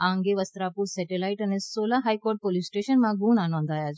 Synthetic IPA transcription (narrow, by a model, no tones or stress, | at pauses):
ãəŋɡeʋəst̪ɾapuɾsɛʈelaiʈənesolaɦajkoɾʈ̚polisʈeʃənmãɡuːnanɔ̃nd̪ʱajat͡ʃʰ